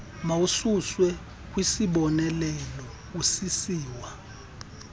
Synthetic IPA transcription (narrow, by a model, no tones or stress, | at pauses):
maususwɛ | kʼwisiɓɔnɛlɛlɔ | usisiːwa